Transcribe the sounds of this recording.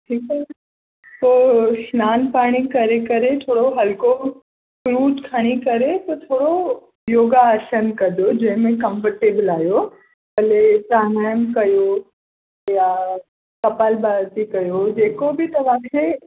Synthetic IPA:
ʈʰiːkɛ | poːsnaːnpaːɽ̃ikɐɾekɐɾet̪ʰoːɽoɦɐlko | kɾuːd͡ʒkʰaɽ̃ikɐɾep̪ot̪ʰoːɽo | joːɡaːʃənkɐd̪od͡ʑɐ̃ɦɪ̃mẽkɐ̃mfəɾʈeːbəlaːjo | pɐlet̪aːnaːjəmkɐjo | ja | kɐpalbaːɾt̪ikɐjod͡ʑeːkobʱɪt̪ɐʋaːkʰe

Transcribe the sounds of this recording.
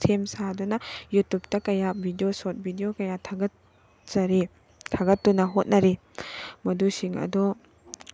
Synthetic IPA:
sʰemsadɔnajutup̚takɐjabʱidiosɔt̚bʱidijokɐjatʰaɡɐt | zaɾi | tʰaɡɐtːunaɦɔt̚naɾi | mɐdusiŋɐ̰dɔ

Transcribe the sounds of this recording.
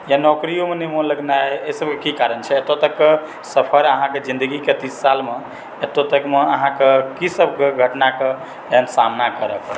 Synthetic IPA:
janɔkɾijomenemoləɡnaeesəb̚kekikaɾənt͡ʃʰɛet̪ot̪əkːe | səpʰəɾəɦãked͡ʒĩnd̪əɡiket̪isːalme | et̪ot̪əkmeəɦãkekisəb̚ʱkeɡʱəʈnake | leɦənsamnakəɾək

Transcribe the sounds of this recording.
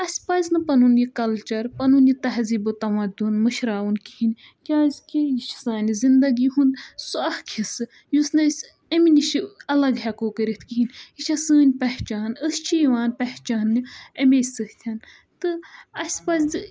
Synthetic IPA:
ɐsʲpɐznɨpɐnunjikɐlt͡ʃɐɾpɐnunjit̪ɐɦziːbɨt̪ɐmɐd̪unmɨʃɾaːunkihinʲ | kʲaːzʲkʲijiʃi̥saːnizind̪ɐɡiɦund̪suɐhkʰisɨ | jusnɨsʲ | ɐminiʃiɐlɐɡɦɐkoːkɨɾit̪ʰkiɦinʲiʃʰɐsɨːnʲpɐht͡ʃaːnəst͡ʃʰijiʋaːnpɐht͡ʃaːnːiɐmesʲsɨht̪ʲʰɐn | t̪ɨɐsʲpɐzɨ

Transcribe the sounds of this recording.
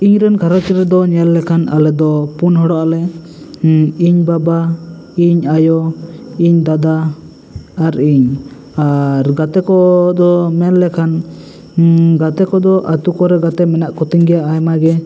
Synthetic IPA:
iɲɾɛnkʰaɾat͡ʃɛɾɛd̪ɔɲɛlːɛkʰana̰lɛd̪ɔpunɦɔɽɔʔalɛ | iɲbaba | iɲajɔiɲd̪ad̪a | aɾiɲ | aɾɡat̪ɛkɔd̪ɔmɛlːɛkʰan | ɡat̪ɛkɔd̪ɔʔat̪ukɔɾɛɡat̪ɛmɛnaʔkɔt̪iɲɡɛjaajmaɡɛ

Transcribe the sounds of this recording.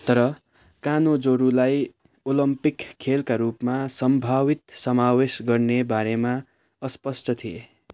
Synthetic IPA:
t̪ʌɾʌ | kanod͡zoɾulaj | olʌmpikʰːelkaɾupmasʌmbʱawit̪̚sʌmawesɡʌrnebaɾema | ʌspʌsʈʌt̪ʰie

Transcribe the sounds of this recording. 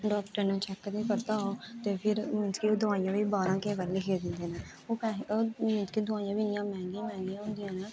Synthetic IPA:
ɖɔːkʈəɾnẽːt͡ʃɛkːd̪eːpəɾt̪aːoːt̪eːpʰɪɾmɪ̃nt̪kioːd̪ʊaːijãːʋiːbaːɾãːkẽʋəlːeːkʰeːd̪ɪ̃nd̪eːneː | oːkaɦmɪ̃nt̪kiːd̪ʊãːijãːʋinɪjãːmɛ̃ːŋɡiãmɛ̃ːŋɡijãːʊ̃ːnd̪ɪjãːnaː

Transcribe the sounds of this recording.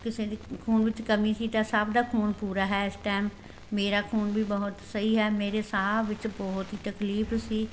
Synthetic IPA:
kɪsẽd̪ikʰuːnʋɪt͡ʃkɐmisit̪asabd̪akʰuːnpuːɾaɦɛɪsʈaːmː | eːɾakʰuːnbʱibɐɦʊt̪sɐɦiɦɛːmeːɾesaɦabʋɪt͡ʃbɔɦʊt̪ɦit̪ɐkliːfsiː

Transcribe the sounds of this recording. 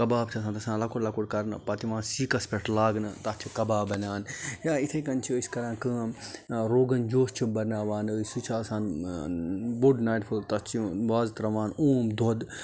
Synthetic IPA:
kɐbaːbt͡ʃʰɐsãːnt̪ɐsãːlɐkuɽlɐkuɽkɐɾnɨpɐt̪iʋãːnsiːkɐspʲeʈʰlaːɡnɨt̪at͡ʃ̪ʰikɐbaːbɐnaːnjaːit̪ʰɐkɐnt͡ʃʰiiskɐɾãːkɨ | ɾoːɡɐnd͡ʒoːst͡ʃʰibɐɾnaːʋaːnɨsut͡ʃʰaːsãːn | buɖnaːjʈpʰult̪ɐt͡ʃʰiʋaːzt̪ɾɐʋaːnoːmd̪od̪

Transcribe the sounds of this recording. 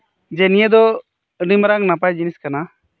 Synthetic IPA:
d͡ʒɛnijed̪ɔ | ɾimɾaŋnapajd͡ʒiniskana

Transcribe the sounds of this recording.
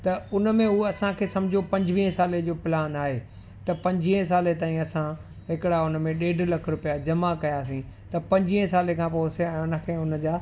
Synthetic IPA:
t̪ɐʊnə̆mẽɦuɐsãkʰeːsɐ̃md͡ʑʱopɐ̃ɲd͡ʑʋiːɦẽsaːled͡ʑoːpɪlaːnaːɦeː | t̪ɐpɐ̃ɲd͡ʑʋiːɦs̬aːlet̪aːĩɐsã | ɦɪkɪɽaʊn̆mẽɗeːɖʱlɐkʰɾʊpijad͡ʑɐmakɐjaːs̬ĩ | t̪ɐpɐ̃ɲd͡ʑiːẽsaːlekʰãːpoːseɛ̃ːʊnə̆kʰeːʊn̆d͡ʑaː

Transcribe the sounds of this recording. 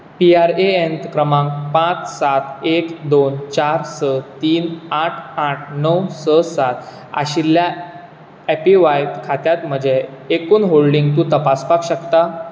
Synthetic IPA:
piaɾeent̪kɾəmãŋkpãt͡ssat̪ekd̪ont͡ɕaɾsət̪iːnaʈʰaʈʰnəwsəsat̪ | a̰ɕilːja | epiʋajt̪kʰat̪jat̪m̤əd͡ʑeːkuːnɦoɭɖiŋɡt̪uːt̪əpaspakɕəkt̪a

